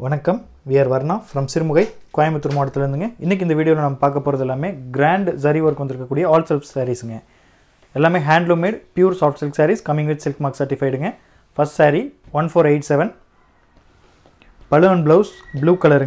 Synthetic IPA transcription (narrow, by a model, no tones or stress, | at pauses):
ʋɐnɐkːɐm | ʋɪjɐɾʋɐɾnãːfɾɐmsɪɾɯmʊɣɐɪkaːjmɐt̪ːɯɾmoːɽɐt̪ːɪlɐɾɯnd̪ɯŋɡɐɪnːɛk̬ːɪnd̪ɐʋiːɽɪjoːlɐ̃nɐmːɐpaːɾkɐpːoːɾɐðɛlːaːmeːɡɾaːɳɖsɐɾiʋɐɾkːʋɐnd̪ɪɾɯkːɐkːuːɽɪjɐaːlsɛlfsaːɾisɯŋɡɐ | ɛlːaːmeːɦaːɳɖloːmeːɖpjuːɾsaːfʈsɛlfsaːɾiskɐmɪ̃ŋɡʋɪt̪sɪlkmaːksɐɾʈɪfɐɪɽɯŋɡɐ | fɐsʈsaːɾiʋɐnfoːɾeɪʈsɛʋɛn | pɐlɯɐɳblɐːsbluːkɐlɐɾɯ